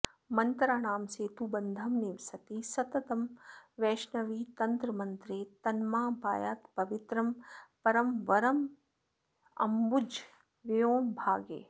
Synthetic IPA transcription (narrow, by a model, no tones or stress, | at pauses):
mɐnt̪ɾaːɳ̃aːmseːt̪ubɐnd̪ʱɐmniʋsɐt̪isɐt̪ɐt̪ɐmʋɛːʃnɐʋiːt̪ɐnt̪ɾɐmɐ̃nt̪ɾeːt̪ɐnmaːbʱaːjaːt̪pɐʋɪt̪ɾɐmpɐɾɐmʋɐɾɐm | ɐ̰mbud͡ʒ | ʋejõːmbʱaːɡḛː